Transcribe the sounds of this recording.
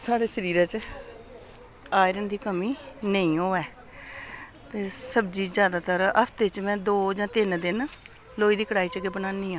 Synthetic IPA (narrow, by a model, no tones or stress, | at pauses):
saːɽeːsəɾiːɾãːt͡ʃ | aːjɪɾənd̪iːkəmĩːnəĩːɦoːɛː | t̪eːsəbd͡ʒiːzjaːd̪aːt̪əɾəpʰt̪et͡ʃmɛ̃ːd̪oːd͡ʒãːt̪ɪnd̪ɪn | loːiːd̪iːkəɽaːiːt͡ʃəɡeːbənaːniːãː